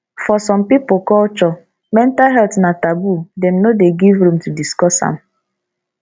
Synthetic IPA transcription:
fɔsɔ̃mpipokɔlt͡ʃɔ | mɛ̃ntalɦɛltnatabudɛ̃mnodeɡivɾũmtudiskɔsa̰m̩

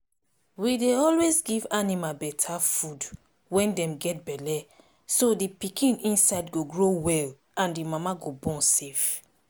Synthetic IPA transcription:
wideɔlwezɡivanimabɛtʰafud | wɛ̃ndɛ̃mɡɛt̚bɛlɛ | sodipikʰĩnĩnsaɪdɡoɡɹowɛl | ãndimamaɡobɔ̃sef

